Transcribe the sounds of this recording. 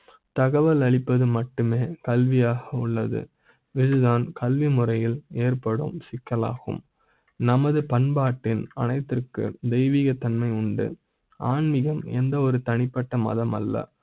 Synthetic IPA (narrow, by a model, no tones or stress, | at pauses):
t̪ɐɣɐʋɐlɐɭɪpːɐðɯmɐʈːɯmeːkɐlʋɪjaːɣɐʊɭːɐðɯ̰ | ʋɪðɯðaːnkɐlʋimʊrɐjɪleːrpɐɽɯ̰msɪkːɐla̰ːɣɯ̰m | nɐmɐðɯpɐnbaːʈːɪnɐ̰nɐɪt̪ːɪrkɯ̰d̪ɛɪʋiːɣɐt̪ɐnmɐɪʊɳɖɯ̰ | ʔaːnmɪɣɐmɛ̰nd̪ɐɔɾɯt̪ɐnɪpːɐʈːɐmɐ̰ðɐmɐ̰lːɐ̰